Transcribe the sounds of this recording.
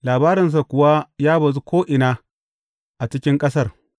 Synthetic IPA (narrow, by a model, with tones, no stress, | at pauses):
laː˨baː˦ɾɪ˨ns̬a˨kʷʊ˨wa˦jaː˦bɐ˨zu˦kʷoː˦ʔɪ˨naː˦ | ʔa˨t͡ʃɪ˦kʲɪ˦ŋkʼɐ˦sɐ˦˨r